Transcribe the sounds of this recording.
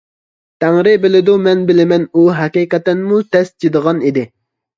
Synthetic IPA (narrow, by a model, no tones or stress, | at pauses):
t̪ʰæŋɾɪbɪlɪd̪umɛnbɪlɪmɛnuɦɛqiqɛt̪ːɪnmut̪ʰɛsd͡ʒed̪əʁɑnid̪ɪ